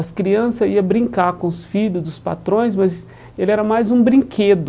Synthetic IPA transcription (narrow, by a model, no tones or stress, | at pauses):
ɐskɾiɐ̃sɐiɐbɾĩŋkaɾkõʊsfiʎʊzd̪ʊspa̰t̪ɾõj̃s̬mɐz | elɪɛɾɐmajzũbɾĩkʰed̪ʊ